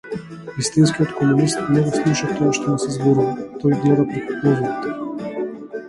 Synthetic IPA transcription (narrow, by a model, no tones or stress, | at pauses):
vist̪inskiɔt̪kɔmunist̪nɛɡɔslˠuʃat̪ɔjaʃt̪ɔnɛsɛzbɔɾuvat̪ɔjɡlɛd̪apɾɛkupɔzɔɾit̪ɛ̥